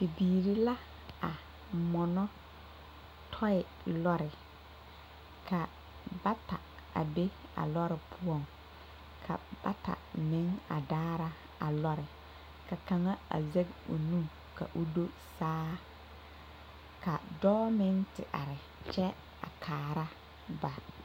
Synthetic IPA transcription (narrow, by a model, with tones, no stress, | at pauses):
pi˨biː˨ɾi˦la˦ | a˨ | mɔ˨nɔ˦ | tʰɔ˦ɪ˨ | lɔ˦ɾɪ˨ | ka˨ | ba˦ta˨ | a̰˨be˦a̰˨lɔ˦ɾɪ˨pʰʊ˦ɔ˨ŋ | kʰa̰˨b̥a˦ta̰˨mɪ˦ŋa̰˨daː˦ɾa˦ | a˨lɔ˦ɾɪ˨ | ka˨ka˨ŋa˦a̰˨zɛ˦ɡo̰˨nũ˦ | ka̰˨ʔʊ˦do˦ | saː˦ | ka˨dɔː˦mɪ˦ŋtɪ̰˨ʔa̰˨ɾɪ˨ | t͡ʃɛ˦ | a̰˨kʰaː˨ɾa˦ | ba˨